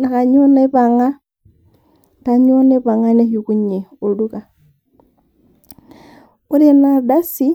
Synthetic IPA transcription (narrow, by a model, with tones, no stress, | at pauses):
na˨ka˨ɲo˦na˦βa˨ŋa˦ | ka˨ɲo˦ne˦βa˨ŋa˦ne˦hi˨ku˦ɲe˨o˨lu˦ka˨ | u˦ɾe˦na˨da˦si˦